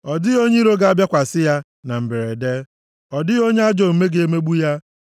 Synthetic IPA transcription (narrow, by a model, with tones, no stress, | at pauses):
ɔ˨dɪ˦o˦ɲe˦i˦ɾo˦ɡa˦a˦˨bja˦kʷa˨sɪ˦ja˦ | na˨m̩˨be˨ɾe˨de˦ | ɔ˨dɪ˦o˦ɲe˦a˦d͡ʒo˨m̩˨me˦ɡe˦e˦me˦ɡ͡bu˦ja˦